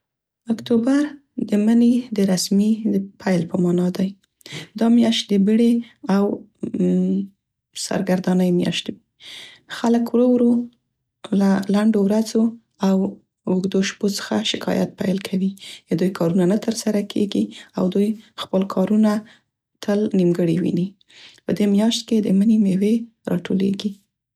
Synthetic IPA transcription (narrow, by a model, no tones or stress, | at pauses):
ʊkt̪obaɾ | d̪əməned̪əɾasmiəpʰajlpəmɑnɑd̪aj | d̪ɑmjɑʃt̪̚d̪əbəɽeaw | sa̰ɾɡaɾd̪anəjmjɑ̰ʃt̪i | xaləkwɾəwɾo | lalaɳɖowɾazo | aw | ʊɡd̪oʃpot͡sə̥xaʃɪkʰɑ̰ja̰t̪̚pajlkʰawid̪ujkʰɑɾunanat̪əɾsaɾakʰeɡiawd̪ujxpəlkʰɑɾuna | t̪ʰəlnimɡəɽiwḭni | pəd̪emjɑʃt̪̚ked̪əmənimewe | ɾɑ̰ʈʰo̰lḛɡi